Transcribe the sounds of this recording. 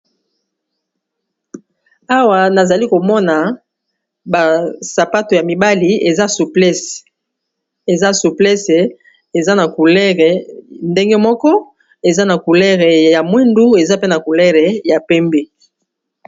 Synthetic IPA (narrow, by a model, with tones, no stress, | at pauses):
a˦wa˨na˨za˨li˦ko˨mɔ˦na˨ | ba˨sa˨pa˦to˨ja˨mi˨ba˦li˨e˨za˦su˨pls | e˨za˦su˨plɛ˦se˨ | e˨za˦na˨ku˨lɛ˦ʁe˨nde˦ŋɡe˦mɔ˦kɔ˦ | e˨za˦na˨ku˨lɛ˦ʁe˨ja˨mwe˦ndu˦e˨za˦pe˦na˨ku˨lɛ˦ʁe˨ja˨pɛ˦mbe˦